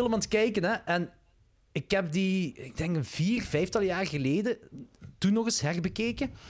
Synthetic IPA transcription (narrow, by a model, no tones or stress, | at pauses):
ɪlˠəmɑntkɛjkənɛʔɛn | ɪkɦɛp̚diɪɡ̚dɛŋkənv̥iːrvɛjftɑlˠjaːrɣəleːdətunːɔɣɪsɦɛrbəkeːkə